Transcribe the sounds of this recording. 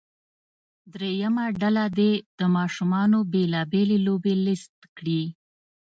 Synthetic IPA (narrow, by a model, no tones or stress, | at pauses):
d̪ɾejamaɖalad̪ed̪̥əmɑʃumɑnobelɑbelelobelɪst̪̚kɽi